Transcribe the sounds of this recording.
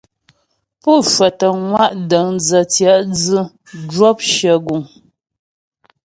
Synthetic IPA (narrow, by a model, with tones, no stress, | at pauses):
pɔ˦˨ʃwə˨tə˨ŋwa˦˨ʔdə˨˦ŋd͡zə˨tjɛ˨˦ʔd͡zɨ˦ | d͡ʒwɔ˦p̚ʃjə˨ɡu˨ŋ